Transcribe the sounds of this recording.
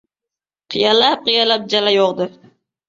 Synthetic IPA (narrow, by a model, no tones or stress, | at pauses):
qʰijalap̚qɨjalap̚d͡ʒalajoqd̪ɨ